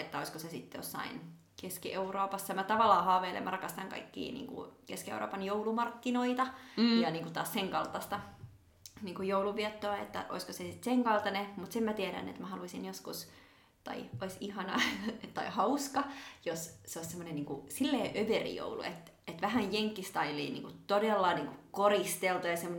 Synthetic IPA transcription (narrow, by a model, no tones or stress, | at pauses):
et̪ːæoiskosesit̪ːjo̰sːɑ̰in | keskiʔeuroːpɑsːɑmæt̪ɑʋɑlːɑːhɑːʋeilḛmːrɑkɑst̪ɑŋkɑ̰ikːḭːnḭːŋkṵkeskiḛuro̰ːpɑnjoulumɑrkːinoit̪ɑjɑniːŋkut̪ɑ̰ːsseŋkɑlt̪ːɑst̪ɑ | niːŋkujouluʋiɛt̪ːoːet̪ːæ̰ʔoiskosesit̪seŋkɑlt̪ɑnemut̪semmæt̪iæɾæ̰nːḛt̪mæhɑluisinjoskus | t̪ɑ̰ioisihɑnɑ̰ttːɑ̰ihɑuskɑjosseoissemːoneniːŋkusilːeːʔøʋerḭjo̰ulṵḛt̪ | et̪ʋæhæjjeŋkːist̪ɑilːḭːnḭːŋkut̪odelːɑniːŋkukorist̪elt̪ujɑsemːon